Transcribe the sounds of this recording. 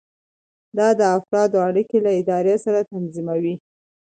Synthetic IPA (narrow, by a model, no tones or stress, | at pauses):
d̪ɑd̪əafɾɑd̪oaɽikelaɪd̪ɑɾjesaɾat̪anzimawi